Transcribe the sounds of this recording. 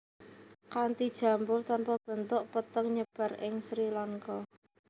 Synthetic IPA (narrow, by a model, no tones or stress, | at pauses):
kant̪id̥ʒ̥ä̤mbʊrt̪ɔnpɔb̥ə̤nt̪ʊʔpət̪əŋɲəb̥ä̤rɪŋsɾilaŋkɔ